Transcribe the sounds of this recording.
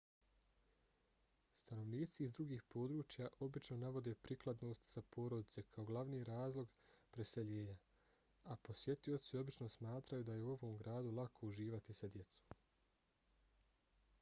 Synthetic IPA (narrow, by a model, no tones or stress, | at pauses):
st̪ano̞ʋniːt̪siːzd̪ɾuɡiːxpo̞ːd̪ɾuːt͡ʃjaʔo̞bit͡ʃno̞naʋo̞d̪e̞ːpɾiklˠad̪no̞ːst̪z̥apʰo̞ːɾo̞d̪it̪se̞kʰao̞ɡlˠaʋniːɾaːzlˠo̞ɡpɾe̞se̞ʎe̞ːɲa | apo̞sje̞t̪io̞t̪sio̞bit͡ʃno̞smaːt̪ɾajud̪ajeuo̞ʋo̞ːmɡɾaːd̪ulˠakʰo̞uʒiːʋat̪isad̪je̞t̪so̥